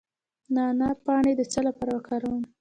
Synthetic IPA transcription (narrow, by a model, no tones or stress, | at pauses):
nɑnapɑɳed̪ət͡səlapɑɾawakɑɾawən